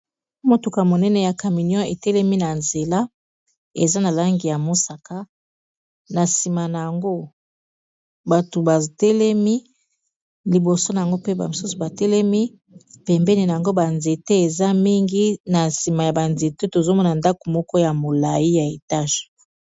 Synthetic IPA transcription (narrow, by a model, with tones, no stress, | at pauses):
mo˨tu˨ka˨mo˨nɛ˦nɛ˨ja˨ka˨mi˨njɔ̃˦e˨tɛ˦lɛ˦mi˦na˨nze˨la˦ | e˨za˦na˨la˦ŋɡi˨ja˨mo˦sa˨ka˦ | na˨si˨ma˨na˨ja˨ŋɡo˦ | ba˨to˨ba˨tɛ˦lɛ˦mi˦ | li˨bo˨so˦na˨ŋɡo˦pe˦ba˨mo˨su˦su˨ba˨tɛ˦lɛ˦mi˦ | pɛ˨mbɛ˦ni˨na˨a˨ŋɡo˦ba˨nze˨te˦e˨za˦mi˦ŋɡi˦na˨si˨ma˨ja˨ba˨nze˨te˦to˨zo˦mɔ˦na˨nda˦ko̥˨mɔ˦kɔ˦ja˨mo˨la˨ji˦ja˨e˨ta˦ʒ